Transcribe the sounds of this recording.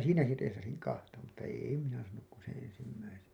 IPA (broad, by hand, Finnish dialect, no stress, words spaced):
siːnæki teːsɑsiŋ kɑhtɑ mutːɑ eˑi minæ sɑːnuk ku sẽː ensimːæisen̞